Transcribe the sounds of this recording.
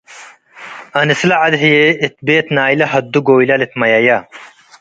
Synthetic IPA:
ɐnislɐʕɐd̪ɦijeit̪̚beːt̪naːjlɐɦɐd̪ːuɡoːilɐlit̪mɐjɐja

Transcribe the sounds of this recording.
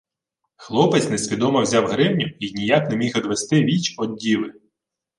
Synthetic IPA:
xlˠɔpɪt͡sʲnesʲʋʲid̪ɔmɐwzʲawɦɾɪwnʲʊinʲijaknɛmʲixid̪ʋest̪ɪʋʲit͡ʃɔd̪̚dʲiʋɪ

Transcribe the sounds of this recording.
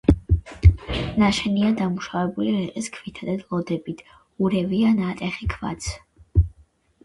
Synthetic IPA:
naʃɛniad̪amuʃavɛbuliɾɛqʼiskʰvit̪ʰad̪ad̪lˠɔd̪ɛbit̪ʰ | uɾɛvianat̪ʼɛχikʰva̰t̪sʰ

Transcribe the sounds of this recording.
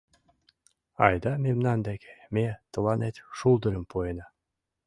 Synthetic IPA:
ɑ̰jd̪ɑmemnɑnd̪ekemet̪ɤ̆lɑnet̪ʃulˠd̪ə̆ɾə̆mpoenɑ

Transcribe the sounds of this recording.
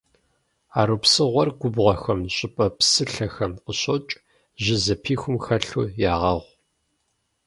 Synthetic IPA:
aːɾupsɨʁʷɔrɡʷʊbʁʷɐxɐmɕʼɪpʼɐpsɨɬɐxɐmqəɕʼot͡ʃʼ | ʒɪzɐpʰiːxʷʊmxɐɬṵːjaːʁɐʁʷ

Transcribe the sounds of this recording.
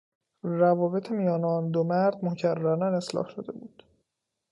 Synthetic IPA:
rævɒːbe̞t̪ʰemijɒːneɒnd̪omæɾd̪mocʰærːæɾnæne̞slɒ̰ːhʃod̪e̞̰buːd̪̥

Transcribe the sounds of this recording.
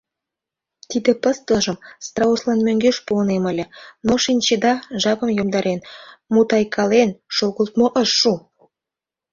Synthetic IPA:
t̪id̪ĕpəst̪ləʒəmst̪rɑuslɑnmøŋɡeʃponemə̆lʲĕnoʃinʲt͡ɕed̪ɑʒɑpəmjomd̪ɑɾʔenmut̪ɑjkʰɑlenʃoɣəlt̪̚moʔəʃːu

